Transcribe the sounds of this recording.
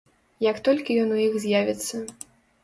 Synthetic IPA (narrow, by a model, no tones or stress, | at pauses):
jɐkt̪ɔlʲkʲijɔnujixzʲjavʲit̪sːɐ